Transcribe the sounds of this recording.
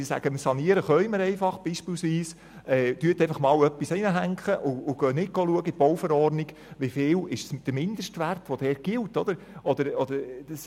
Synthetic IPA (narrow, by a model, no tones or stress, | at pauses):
ɪsæ̰ɡ̥əmɪsɑniəɾəχœɥməɾɛɪfɑχb̥iːʃpɪːlsʋiːs | ɛːd̥yət̪ɛjfɑχmɑːwœpːisinəɦæŋkχəʔʊʊɡ̥œnɪɡ̥oluəɡəitb̥ɔwfəɾɔːɾniɡ | ʋifɪːlɪʃsd̥əɾmɪnd̪əʃtʋært̪ʋɔd̥ɛːɾɡ̥ɪlt̪ɔd̪əɾ | ɔd̪əɾɔd̪əɾd̥əs